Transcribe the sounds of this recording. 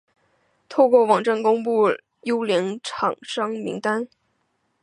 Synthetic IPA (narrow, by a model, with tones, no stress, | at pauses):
t̪ʰo˥˧ʊkwɔ˥˩wɑ˨˩ŋʈ͡ʂa˥˩nkʊ˥ŋpu˥˩ | jo˥ʊljɛ˧˥ŋʈ͡ʂʰɑ˨˩ŋʂɑ˥ŋmḭ˧˥ŋt̪a˥n